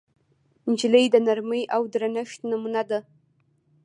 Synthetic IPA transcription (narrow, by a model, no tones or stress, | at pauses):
nd͡ʒɪlejdanarmɨjʔawdɨranaʃtʰnamunada